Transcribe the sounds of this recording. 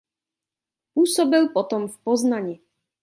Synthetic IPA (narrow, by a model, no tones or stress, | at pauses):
usɔbɪlpɔt̪ɔmfpɔznaɲi